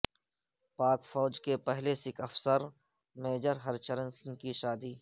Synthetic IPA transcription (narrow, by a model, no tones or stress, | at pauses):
paːkfɔːd͡ʒkepɛɦlesɪkɐfsəɾ | meːd͡ʒəɾɦɐɾt͡ʃəɾənsɪŋkiʃaːd̪iː